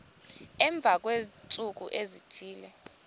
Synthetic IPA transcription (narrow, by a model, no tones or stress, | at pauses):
ɛɱb̪vʱak̬ʼwet͡sʼuk̬ṵʔezitʰiːlɛ